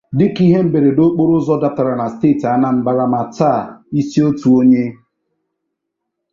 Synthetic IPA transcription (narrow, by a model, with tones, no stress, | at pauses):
dɪ˦ki˦ɦe˦m̩˦be˨ɾe˨do˦k͡po˦ɾʊ˦zɔ˦da˦ta˨ɾa˨na˨steː˦˨ta˦na˦˨m̩˨ba˦˨ɾa˨ma˨ta˦˨i˦si˦o˦tu˨o˦ɲe˦